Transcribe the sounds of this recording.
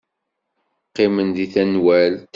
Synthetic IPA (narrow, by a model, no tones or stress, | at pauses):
qːɪmənðiθænwælt̪